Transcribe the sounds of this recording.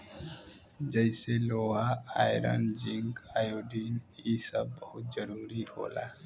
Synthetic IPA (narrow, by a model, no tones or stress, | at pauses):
d͡ʒəjseloaajɾa̰nd͡ʒiŋɡajoɖinisəb̚ːəhut̪̚d͡ʒəɾuɾiho̰la̰